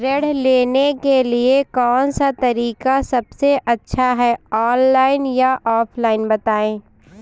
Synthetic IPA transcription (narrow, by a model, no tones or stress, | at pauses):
ɾeɽleːnekeliekɔːnsat̪ɐɾiːkasɐbseʔɐtːʃʰaɦɛɔːnlaːɪnjaʔɔːpʰlaːɪnbɐt̪aːẽː